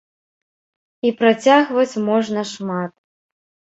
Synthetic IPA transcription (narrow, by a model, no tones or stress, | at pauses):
ipɾat͡sʲaɣvɐt͡sʲmɔʐnɐʂmat̪